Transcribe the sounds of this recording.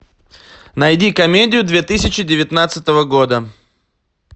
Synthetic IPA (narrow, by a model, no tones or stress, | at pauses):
nɐjdʲikɐmʲedʲɪjʊd̪vʲet̪ɨsʲɪt͡ɕɪdʲɪvʲɪt̪nat̪sɨt̪əvəɡod̪ə